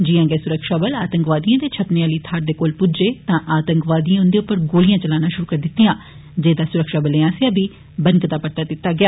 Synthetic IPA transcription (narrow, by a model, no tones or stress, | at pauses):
d͡ʒɪjãːɡɛːsʊɾəkʃaːbəlaːt̪əŋkʋaːd̪ijãːd̪eːt͡ʃʰəpneãːliːt̪ʰaːɾd̪eːkoːlpʊd͡ʒeːt̪ãːʔaːt̪əŋkʋaːd̪ijãːʊ̃nd̪eːʊpːəɾɡoːlijãːt͡ʃəlaːnãːʃʊɾuːkəɾd̪ɪt̪ːijãː | d͡ʒeːd̪aːsʊɾəkʃaːbəleːãːseaːbiː | bənkt̪aːpəɽt̪aːd̪ɪt̪ːaːɡɪaː